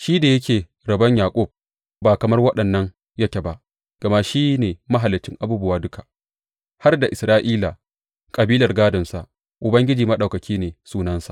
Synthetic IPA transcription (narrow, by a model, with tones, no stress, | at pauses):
ʃiː˦da˨jɐ˦kʲeː˨ | ɾɐ˨bɐ˦ɲjaː˨kʷʼɔ˦˨b̚ | baː˨kɐ˨mɐ˦rwɐ˦ɗɐ˨nːɐ˦ŋ | jɐ˦kʲe˨ba˦ʔ | ɡ̥ɐ˨ma˦ʃiː˦neː˨mɐ˦ɦa˨lɪ˨t͡ʃɪ˦ŋʔa˨buː˦bʊ˦waː˦dʊ˦kʰa˨ | ha˦rda˨ʔɪ˨sɾaː˦ʔiː˦la˨ | kʼɐ˨biː˦lɐ˨rɡaː˦dɐ˨msa˨ | ʔʊ˨bɐ˦ŋɡʲɪ˦d͡ʒiː˨mɐ˦ɗɐ˨wkɐ˨kʲʰiː˦neː˨suː˦nɐ˦nsḁ˨ʔ